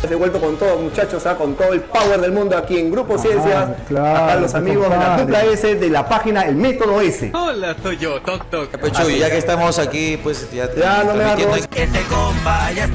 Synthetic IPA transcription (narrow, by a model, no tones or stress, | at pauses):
seβwelt̪o̞kont̪oðomut͡ʃat͡ʃosako̞nt̪oðoe̞lpaweɾðelmũnd̪oakie̞ŋɡɾuposje̞nsjasklaakaðelosamiɣozelaðuplaeseðelapaxinaelmek̪oðoe̞sḛolasojʝot̪ok̚t̪okpet͡ʃujakest̪amosakipwesjajanomeaɾoesekombaja